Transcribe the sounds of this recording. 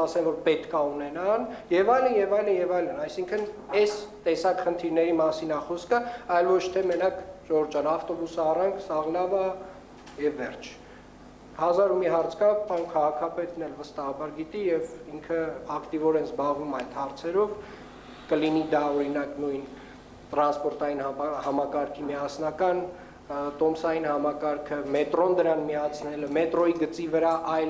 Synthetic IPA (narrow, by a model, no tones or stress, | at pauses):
ɑsɛmvɔɾpɛt̪kɑunɛnɑnjɛvɑjlənjɛvɑjlənjɛvɑjlənɑjsiŋkʰənɛst̪ɛsɑkχənt̪ʰiɾnɛɾimɑsinɑχɔskəɑjlvɔt͡ʃʰt̪ʰɛmənɑkʒɔɾd͡ʒɑnɑft̪ɔbusɑrɑŋkʰsɑʁlɑvɑ | jɛvːɛrt͡ʃʰ | hɑzɑɾumiɦɑɾt͡sʰkɑvpɑnkʰɑʁɑkʰɑpɛt̪nɛlvəst̪ɑhɑbɑɾɡit̪ijɛviŋkʰəɑkt̪ivɔɾɛnzbɑʁvumɑjd̪hɑɾt͡sʰɛɾɔv | kəlinid̪ɑɔɾinɑknujn | t̪ɾɑnspɔɾt̪ɑjinhɑmɑkɑɾkʰimiɑsnɑkɑn | t̪ɔmsɑjinhɑmɑkɑɾkʰəmɛt̪ɾɔnd̪əɾɑnmiɑt͡sʰnɛləmɛt̪ɾɔiɡət͡sivəɾɑʔɑjl